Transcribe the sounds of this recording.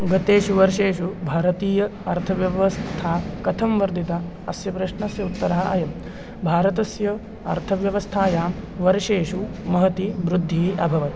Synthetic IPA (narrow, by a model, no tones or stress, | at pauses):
ɡɐt̪eːʃuʋɐɾʂeːʃubʱaːɾɐt̪iːjɐɐɾt̪ʰɐʋjɐʋɐst̪ʰaːkɐt̪ʰɐmʋɐɾd̪it̪a | ɐsjɐpɾɐʂɳɐsjɐut̪ːɐɾaːɐɐ̰jɐm | bʱaːɾɐt̪ɐsjɐ | ɐ̰ɾt̪ʰɐʋjɐʋɐst̪ʰaːjaːmʋɐɾʂeːʃumɐɦɐt̪iʋɾud̪ʱːiːʔɐbʱɐʋɐt̪